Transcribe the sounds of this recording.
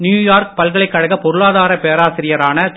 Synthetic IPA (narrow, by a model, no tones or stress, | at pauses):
njuːjaːɾk̚pɐlɣɐɭɐɪkːɐɻɐɣɐpɔɾɯɭaːðaːɾɐpeːɾaːsɪɾɪjɐɾaːnɐ